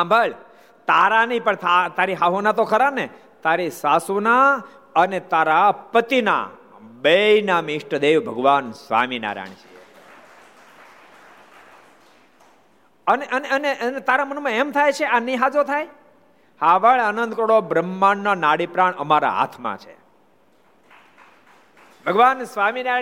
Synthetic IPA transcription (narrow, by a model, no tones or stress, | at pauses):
ãmbʱəɭ | t̪aɾanipəɳt̪ʰat̪aɾiɦaɦunat̪okʰəɾane | t̪aɾisasuna | ənet̪aɾapət̪ina̰ | bəjnamiʂʈəd̪eʋbʱəɡʋansʋa̰mina̰ɾa̰ɳ̃t͡ʃʰḭe | əneʔəneəneʔənet̪aɾamənumãemt̪ʰajt͡ʃʰeaniɦad͡ʒot̪ʰaj | haʋəɭənə̃nd̪kəɽobɾəmːaɳːanaɽipɾaɳəmaɾa̰ɦa̰t̪ʰmã̰t͡ʃʰḛ | bʱəɡʋansʋamina